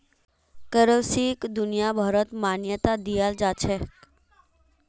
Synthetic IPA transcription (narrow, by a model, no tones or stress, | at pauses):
kəɾəʋsikd̪unijabʱaɾət̪manjət̪ad̪ijald͡ʒat͡ʃʰek